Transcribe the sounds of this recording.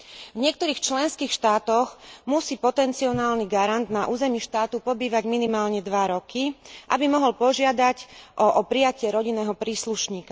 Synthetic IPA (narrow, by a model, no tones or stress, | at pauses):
vɲɪɛk̚t̪ɔɾiːxt͡ʃlɛnskiːxʃt̪aːt̪ɔɣmusiːpɔt̪ɛnt͡siɔnaːlniɡaɾand̪naʔuːzɛmiʃt̪aːt̪upɔbiːʋaɟminimaːlɲɛd̪ʋaɾɔkʰiʔabimɔɦɔlpɔʒɪad̪acʔɔʔɔpɾijacɪɛɾɔɟinːɛːɦɔpɾiːsluʃɲiːka